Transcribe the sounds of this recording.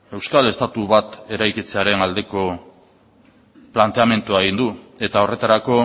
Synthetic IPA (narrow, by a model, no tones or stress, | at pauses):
e̞wskale̞st̪at̪uβat̪e̞ɾajkit͡se̞aɾe̞nald̪e̞ko̞ | plant̪e̞ame̞nt̪uaeɣind̪ue̞t̪ao̞re̞t̪aɾako̞